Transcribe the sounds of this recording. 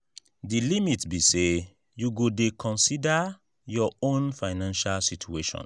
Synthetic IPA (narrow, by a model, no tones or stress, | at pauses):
dilimitbise | juɡodekʰɔ̃nsida | jɔõnfaɪnãnʃalsitʰueʃɔ̰̃n